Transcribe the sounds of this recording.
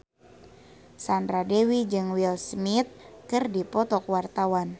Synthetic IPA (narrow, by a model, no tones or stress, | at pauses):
sandɾadewid͡ʒɨŋwilsmit̪̚kɨrdipɔt̪ɔkwart̪awan